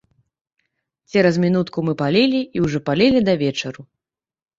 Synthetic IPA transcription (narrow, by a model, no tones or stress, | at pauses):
t͡sʲɛɾɐzmʲinut̪kumɨpalʲelʲiiwʐɔpalʲɛlʲid̪ɐvʲɛt͡ʂɐɾu